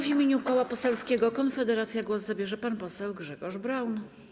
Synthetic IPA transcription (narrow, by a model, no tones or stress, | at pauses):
vʲimʲeɲukɔwapɔsɛlskʲɛɡɔkɔnfɛd̪ɛɾat̪sʲjaɡwɔzzabʲjɛʐɛpanpɔsɛwɡʐɛɡɔʐbɾawn